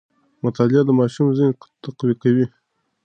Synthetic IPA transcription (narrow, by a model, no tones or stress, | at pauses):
mʊt̪ɑlɪad̪əmɑʃumzint̪aqwikawi